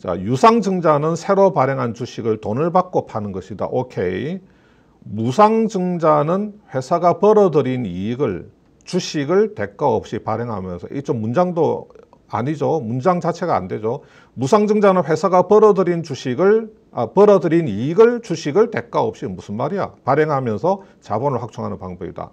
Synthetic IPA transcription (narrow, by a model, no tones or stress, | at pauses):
t͡ɕa̰jusʰaŋd͡ʑɯŋd͡ʑanɯnsʰe̞ɾopaɾeŋɦant͡ɕuɕʰiɡɯɭtonɯɭbak͈̚opʰanɯnɡʌɕʰida̰ʔokʰe̞̰i | musʰaŋd͡ʑɯŋd͡ʑanɯnɸwe̞sʰaɡapʌɾʌdɯɾiniɡɯɭ | t͡ɕuɕʰiɡɯɭte̞k͈̚aʌp̚ɕ͈ipaɾeŋɦa̰mjʌnsʰʌ̰ʔḭt͡ɕomːund͡ʑaŋdo | a̰ɲid͡ʑomund͡ʑaŋt͡ɕat͡ɕʰe̞ɡa̰ːnde̞d͡ʑo | musʰaŋd͡ʑɯŋd͡ʑanɯnɸwe̞sʰaɡapʌɾʌdɯɾint͡ɕuɕʰiɡɯɭ | apʌɾʌdɯɾiniɡɯɭt͡ɕuɕʰiɡɯɭte̞k͈aʌp̚ɕ͈imusʰɯnmaɾija̰paɾeŋɦamjʌnsʰʌ | t͡ɕa̰bʌnɯɭhak̚t͡ɕʰoŋɦanɯnpaŋbʌbida̰